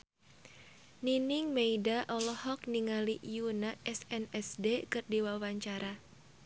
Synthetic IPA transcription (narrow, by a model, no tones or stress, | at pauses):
ninɪŋmeidaʔɔlɔhɔk̚niŋaliʔjunaʔɛsɛnɛsdekɨrdiwawaɲt͡ʃaɾa